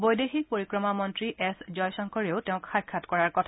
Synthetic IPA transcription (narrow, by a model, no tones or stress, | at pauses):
bojdexik̚poɹikɹɔmamɔntɹiʔɛszɔjsɔŋkʰɔɹeʊteʊ̃kxajkʰːatkɔɹaɹkɔtʰa